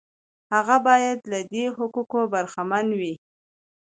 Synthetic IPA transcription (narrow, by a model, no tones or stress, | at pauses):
haɣabɑjad̪lad̪eɦʊkukobaɾxamanwi